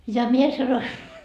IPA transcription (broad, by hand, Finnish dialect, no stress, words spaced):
jɑ mie sɑnoi